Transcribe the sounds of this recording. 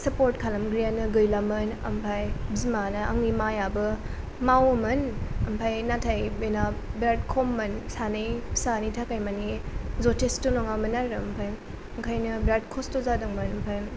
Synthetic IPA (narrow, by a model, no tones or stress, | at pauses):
sɐpoɾtkʰalɐmɡɾianɯɡɯjlamɯnɐ̰mpʰajbzimanɯa̰ŋnimajabɯ | mawɐmɯnɐmpʰajnatʰajbenabɾad̚kʰomːɐnsanɯjpʰsanijtʰakajmanizotestunɔŋamɐnaɾɯɐmpʰaj | aŋkʰajnɯbɾad̚kʰɔstozadɯŋmɯnɐmpʰaj